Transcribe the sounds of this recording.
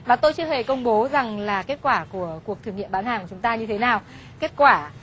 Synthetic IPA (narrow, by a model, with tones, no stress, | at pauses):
vaː˨˩t̪o˧jt͡ɕɨ˧əhe˨˩kə˧wŋ͡mɓo˨˦za˨˩ŋlaː˨˩ke˦˥t̚kwaː˧˩ku˧˩əku˨˩ək̚t̪ʰɨ˧˩əŋḭ˧˨əmɓaː˨˦nhaː˨˩kt͡ɕʊ˨˦ŋ͡mt̪aː˧ɲɨ˧t̪ʰe˨˦naː˨˩w | ke˦˥t̚kwaː˧˩